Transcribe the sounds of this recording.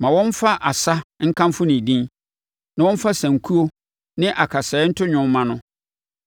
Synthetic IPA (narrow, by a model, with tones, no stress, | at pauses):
mã˨wɔ̃˦n˦fa˦ʔa˨sa˦ŋ̩˦kʰã˦mfʊ˦nĩ˨dĩ˦n | nã˨wɔ̃˦m̩˦fa˦sæ̃˨ŋ˨kʰu˦o˦ | nɪ̃˦ʔa˨kʰa˨sɛː˨˦n̩˦tʰʊ˦ɲᶣʊ̃˦m˦mã˦nʊ̃˦